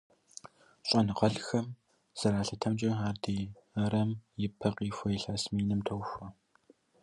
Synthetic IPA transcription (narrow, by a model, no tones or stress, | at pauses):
ɕʼɔnɨqɐɮxɐm | z̥ɐɾaːɬɐtʰɐmt͡ʃʼɐɦaːrdiː | ɐɾɐmjɪpʰɐqiːfʷɐjɪɬɐsmiːnɨmtʰɐwfʷɐ